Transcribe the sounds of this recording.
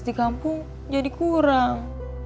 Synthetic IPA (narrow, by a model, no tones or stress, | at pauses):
dikampʊŋ | d͡ʒadikuɾaŋ